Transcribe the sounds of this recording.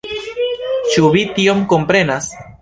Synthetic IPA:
t͡ʃuβitio̞mko̞mpɾe̞nas

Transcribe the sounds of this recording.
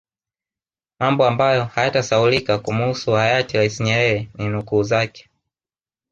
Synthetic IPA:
mambɔambajɔhajatasaulikakumusuajatiɾaisiɲɛɾɛɾɛninukuːzakɛ̥

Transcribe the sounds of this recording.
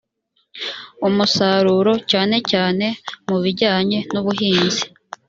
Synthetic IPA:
umusaːɾuɾo̞caːne̞caːne̞muβiɾɟaːɲe̞nuβuɦiːnzi

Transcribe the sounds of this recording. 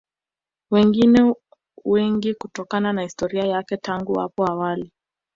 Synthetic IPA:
wɛŋɡinɛ | wɛŋɡikutɔkananahistɔɾiajakɛtaŋɡuwa̰pɔawali

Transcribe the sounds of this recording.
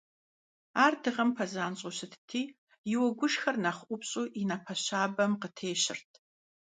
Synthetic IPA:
aːrdɨʁɐmpʰɐzaːnɕʼʊɕɨtʰtʰiː | jɪwɐɡʷʊʂxɐrnɐχʷʔʷʊpɕʼuːʔinɐpʰɐɕaːbɐmqətʰeːɕɪ̰rtʰ

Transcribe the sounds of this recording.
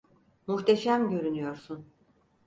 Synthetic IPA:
muht̪ʰeʃæmɟø̞ɾynyjo̞ɾsun

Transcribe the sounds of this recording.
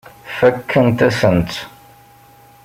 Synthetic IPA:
fækʰːənt̪æsənt͡s̪

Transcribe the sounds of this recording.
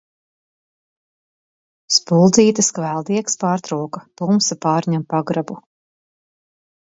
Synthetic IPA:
spulˠd̪ziːt̪ɐskvælˠd̪iɛkspaːɾt̪ɾuɔkat̪umsapaːɾɲampaɡɾabu

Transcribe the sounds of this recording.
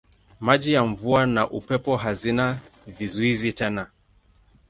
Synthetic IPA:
maʄijaɱ̩vuanaʔupɛpɔɦazinavizuizitɛna

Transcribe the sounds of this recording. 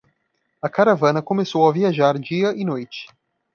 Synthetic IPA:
ɐkaɾavɐ̃nɐkomesowɐviaʒaɾd͡ʒiɐʔinojt͡ʃɪ̥

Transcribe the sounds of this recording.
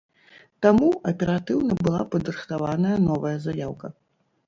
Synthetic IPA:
t̪amuɐpʲɛɾat̪ɨwnɐbɨlˠa̰pɐd̪ɾɨxt̪avanɐjɐnɔvɐjɐzajawkɐ

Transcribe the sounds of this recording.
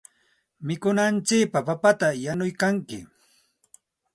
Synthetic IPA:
mɪkʊnant͡ʃɪːpapapat̪ajanʊjkaŋkɪ̰

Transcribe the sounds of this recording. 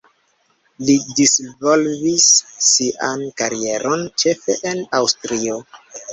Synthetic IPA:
lidisvo̞lvisːiʔa̰nkaɾie̞ɾo̞nt͡ʃe̞fe̞̰ʔenawstɾio̞

